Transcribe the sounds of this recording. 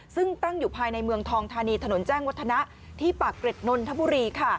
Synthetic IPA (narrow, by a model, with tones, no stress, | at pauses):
sɯ˥˩ŋt̪a˥˩ŋjuː˨˩pʰaː˧jna˧jmɯ˧əŋt̪ʰɔː˧ŋt̪ʰaː˧niː˧t̪ʰa˧no˩˦nt͡ɕɛː˥˩ŋwt̪ʰːa˧na˦˥ʔ | t̪ʰiː˥˩paː˨˩kːɾe˨˩t̪̚no˧nt̪ʰa˦˥bu˧ɾiː˧kʰa˥˩